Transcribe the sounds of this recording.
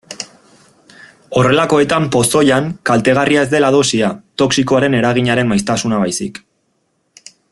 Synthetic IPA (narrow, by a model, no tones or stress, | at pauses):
o̞re̞lako̞e̞t̪ampo̞so̞jaŋkalt̪e̞ɣ̞arʔiae̞zd̪e̞laðo̞siat̪o̞ksikoaɾe̞ne̞ɾaɣ̞iɲaɾe̞mmajst̪asunaβajsḭk